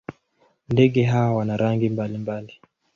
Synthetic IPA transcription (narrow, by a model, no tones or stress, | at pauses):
ndɛɠɛɦawawanaɾaŋɡimbalimbali